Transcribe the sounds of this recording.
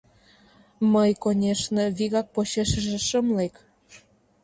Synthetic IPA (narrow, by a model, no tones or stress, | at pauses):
məjkonʲeʃneβiɣɑk̚poɕeʃə̆ʒĕʃəmlek